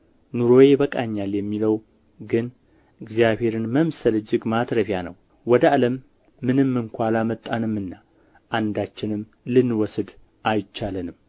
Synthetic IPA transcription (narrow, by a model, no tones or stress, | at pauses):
nuɾo̞je̞bəkʼa̰ɲːaljɛmːiləw | ɡɨn | ɨɡzjaβhe̞ɾɨnməmsəlɨd͡ʒɨɡmat̪ɾəfjanə̰w | wɔd̪əaləmː | ɨnɨmːɨŋkʷalamət̪ʼːanɨmːɨnːa | ʔand̪at͡ʃːɪnɨm | lɨnːwɔsɨd̪ | ʔajt͡ʃːalɨnɨm